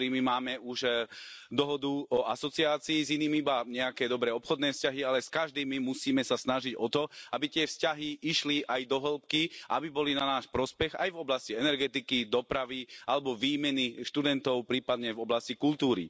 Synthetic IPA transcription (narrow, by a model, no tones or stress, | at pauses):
ɾimimaːmɛuʃ | d̪ɔɦɔd̪uɔasɔt͡siaːt͡siːziniːmibaɲɛakɛːd̪ɔbɾɛːɔpxɔd̪nɛːfscaɦialɛskaʒd̪iːmimusiːmɛsasnaʒiɟɔt̪ɔabit̪ɪɛfscaɦiʔiʃliʔajd̪ɔɦɛlpkiʔabibɔlinanaːʃpɾɔspɛɣa̰jvɔblasciɛnɛɾɡɛt̪ikid̪ɔpɾaʋialɛbɔʋiːmɛniʃt̪ud̪ɛnt̪ɔʊpɾiːpad̪ɲɛvɔblascikult̪uːɾḭ